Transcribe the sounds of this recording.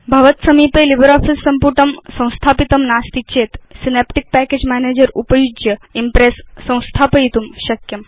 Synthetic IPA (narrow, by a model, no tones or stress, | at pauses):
bʱɐʋɐt̪sɐmiːpelibɾaːfisːɐmpuʈʰɐmsɐ̃w̃st̪ʰaːpit̪ɐmnaːst̪it͡ɕʰeːt̪sinepʈik̚pæked͡ʑmæːneːd͡ʒɐɾupɐjud͡ʒjɐimpɾesːɐ̃w̃st̪ʰaːpɐit̪umɕɐkjɐm